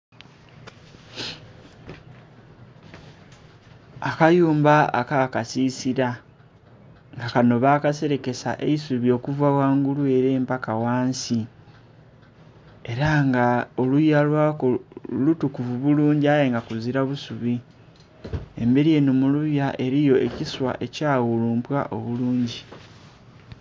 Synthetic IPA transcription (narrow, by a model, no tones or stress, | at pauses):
akajuːmbaa̰kakasisiɾa | ŋɡakano̞βaːkase̞ɾe̞ke̞sa̰ʔe̞isuβio̞ːkuvawaːŋɡulue̞ɾe̞ːmpakawaːnsi | e̞ɾaŋɡaolujalwaːkolutukuvuβuluːɲɟiajeŋɡakuziɾaβusuβi | e̞̰mbe̞ɾije̞numuluβjaʔe̞ɾijo̞e̞ciswa̰ʔe̞caːɣuluːmpwa̰ʔo̞̰βuluːɲɟi